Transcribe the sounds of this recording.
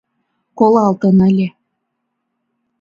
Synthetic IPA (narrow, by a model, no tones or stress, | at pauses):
kolˠɑlt̪ɤ̆nəlʲe